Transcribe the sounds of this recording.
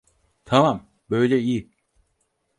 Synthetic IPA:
t̪ʰɐmam | bøːd͡ʑei

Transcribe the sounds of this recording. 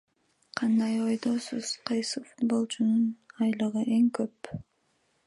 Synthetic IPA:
qʰɑnd̪ɑjo̞jd̪o̞ːsuz̥qʰɑjsɯfud̪̚bo̞lˠt͡ʃʰununɑjlˠɯʁɯʔe̞ŋkøp

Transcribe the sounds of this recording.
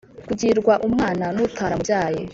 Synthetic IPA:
kuɟiɾɡwaʔumŋaːnanutʰaːɾamuaːjḛ

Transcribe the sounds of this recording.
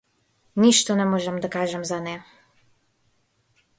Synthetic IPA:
nʲiʃt̪ɔnɛmɔʒɛmd̪akaʒɛmzanʲɛ

